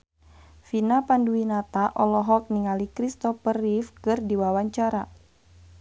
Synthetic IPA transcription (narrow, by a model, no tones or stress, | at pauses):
finapanduinat̪aʔɔlɔɦɔk̚niŋalikɾist̪ɔfərifkɨrdiwawaɲt͡ʃaɾa